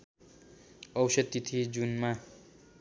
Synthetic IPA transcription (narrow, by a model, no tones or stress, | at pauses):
ʌwsʌd̪it̪ʰid͡zunma